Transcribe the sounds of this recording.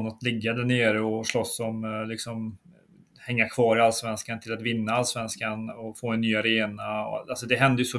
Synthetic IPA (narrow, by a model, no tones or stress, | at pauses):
nat̪lɪɡːad̪æɳeːɾɔʂlɔsːɔmlɪksɔm | hɛŋːakʰv̥ɑːɾɪalːsvɛnskant̪ʰɪlat̪vɪnːaalsvɛnskanɔfoːɛnːyːaɾeːnaɔ̰alsɔd̪ɛɦɛnd̪əjɵsɔ